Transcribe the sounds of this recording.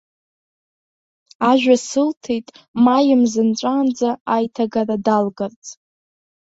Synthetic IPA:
aʒᶣʷasɨltʰejtʼ | majɪmzɨnt͡ʃʷʼaːnd͡zaajtʰaɡaradalɡart͡sʼ

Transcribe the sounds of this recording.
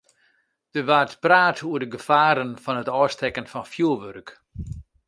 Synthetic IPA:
d̥əʋaːrtpraːtʰuərdəɡəfaːɾənfɔnətɔːstɛkənfɔnfjuəʋørk

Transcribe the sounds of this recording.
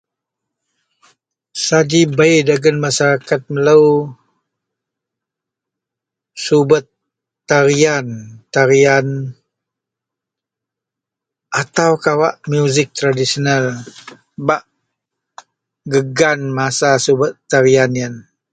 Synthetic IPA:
sad͡ʒibajdaɡənmasaɾakat̪̚mələw | subət̪ː | aɾiant̪aɾian | ʔat̪awkawaʔmjuzɪk̚t̪ɾadisional | baʔ | ɡəɡanmasasubət̪ːaɾianiən

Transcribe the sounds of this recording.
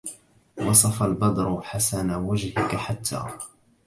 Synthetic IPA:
wɑsˤɑfalbɑd̪ˤɾʊħasanawad͡ʒhɪkaħat̪ʰːa̰ː

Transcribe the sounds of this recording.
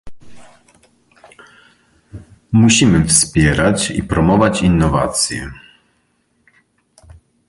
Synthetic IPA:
muɕimɘfspʲjɛɾat͡ɕḭpɾɔmɔvat͡ɕinːɔva̰t̪sʲjɛ̰

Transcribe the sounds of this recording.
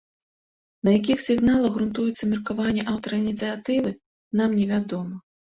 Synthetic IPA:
nɐjakʲixsʲiɣnalˠɐɣɾunt̪ujɛt̪sːɐmʲɛrkavanʲːɛʔawt̪ɐɾɐinʲit̪sɨjat̪ɨvɨ | namnʲɛvʲad̪ɔmɐ

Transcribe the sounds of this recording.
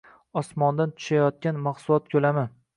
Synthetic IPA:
ɒsmɒnd̪ant̪ʰʊ̥ʃajɒt̪̚kʲanmaqsʊlˠɒt̪̚kʲʰɵlamɪ

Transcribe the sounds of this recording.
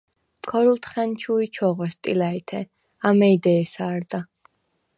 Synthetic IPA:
kʰɔɾult̪ʰχɛnt͡ʃʰuit͡ʃʰɔʁɛst̪ʼilait̪ʰɛ | amɛid̪ɛːsaːɾd̪a

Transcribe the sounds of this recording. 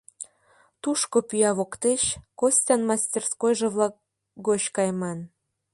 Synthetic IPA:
t̪uʃkopyjɑβokt̪et͡ɕkosʲtʲɑnmɑsʲtʲerskojʒĕβlɑk̚ | ɡot͡ɕkɑjmɑn

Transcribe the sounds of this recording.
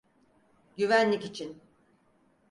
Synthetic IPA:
ɟyvænlʲicit͡ʃʰin

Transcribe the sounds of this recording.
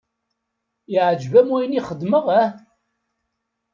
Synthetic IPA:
iʕəd͡ʒvæmujniχəd̪məʁæ

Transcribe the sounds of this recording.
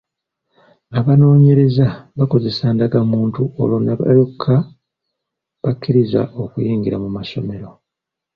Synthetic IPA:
aβano̞ːɲe̞ɾe̞zaβako̞ze̞saːndaɡamuːntuo̰lonaβ̰jokʰːa | βakːiɾiza̰ʔo̞kujiːŋɡiɾamumaso̞̰me̞ɾo̞

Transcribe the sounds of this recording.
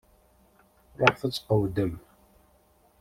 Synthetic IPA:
ɾoɾfæt͡sːqəwd̪əm

